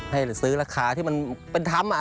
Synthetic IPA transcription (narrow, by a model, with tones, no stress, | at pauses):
a˥˩jsɯː˦˥ɾaː˧kʰaː˧˩t̪ʰiː˥˩ma˧npe˧nt̪ʰa˧˥mʔa˨